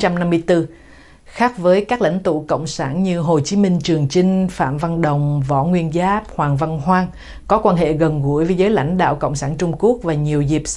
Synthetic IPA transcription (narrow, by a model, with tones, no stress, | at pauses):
t͡ɕa˧mna˧mːɨ˧əjt̪ɨ˧ | xaː˦˥k̚vəː˨˦jkaː˦˥k̚la̰˧˥˩jŋ̟t̪ṵ˧˨kə̰˧˨wŋ͡msaː˧˩nɲɨ˧ɦo˨˩t͡ɕi˨˦mï˧ŋ̟t͡ɕɨ˨˩əŋt͡ɕï˧ŋ̟fa̰ː˧˨mva˧nɗə˨˩wŋ͡mvɔ̰˧˥ŋwi˧ənzaː˦˥p̚hwaː˨˩ŋva˧nɦwaː˧n | kɔ˨˦kwaː˧nɦḛ˧˨ɣə˨˩nɣu˧˩əjvəː˨˦jzəː˨˦jla̰˧˩jŋ̟ɗa̰ː˧˨wkə̰˧˨wŋ͡msaː˧˩nt͡ɕʊ˧ŋ͡mku˦˥ək̚vaː˨˩ɲi˨˩əwzi˨˩p̚